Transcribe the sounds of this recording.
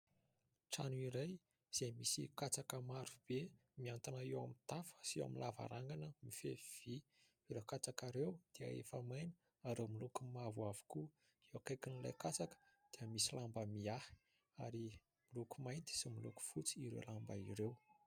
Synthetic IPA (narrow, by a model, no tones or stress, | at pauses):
ʈ͡ʂanuiɾaj | z̥ejmisḭkat͡sakəmaɾub̥emiant̪anaewamit̪afə̥sia̰milava̰ɾaŋɡanəmifḛviv̥i | iɾekat͡sakaɾewd̪̥iə̰ḛfəmajnə̥ | aɾemilukumavuavu̥ku | eakajkinila̰jkat͡sakə̥d̪̥iəmisilambəmiahi̥ | a̰ɾi | milukumajnt̪i̥similuku̥fut͡siːɾḛlambaiɾew